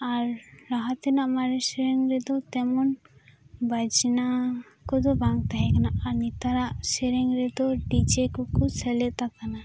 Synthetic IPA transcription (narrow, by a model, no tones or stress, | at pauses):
aɾɾaɦat̪ɛnamaɾeseɾeŋɾed̪ot̪ɛmɔn | bad͡ʒina | kɔd̪obaŋ̚t̪aɦɛkanaaɾnit̪aɾaʔseɾeŋɾed̪oɖit͡ʃekukusʰɛlet̪akana